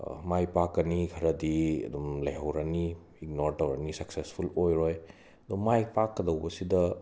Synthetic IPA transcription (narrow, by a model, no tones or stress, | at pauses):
majpakːɐnikʰɐɾɐdiɐ̰dumlɐjɦɐwɾɐni | ik̚noɾtɐwɾɐnisɐksespʰulojɾoj | ɐd̪ɔmːajpakːɐdɐwbɐsidɐ